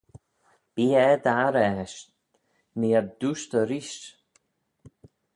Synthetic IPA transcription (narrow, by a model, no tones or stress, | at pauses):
b̥iːɛd̪aɾɛʃ | niɛɾd̪uʃt̪əɾiʃ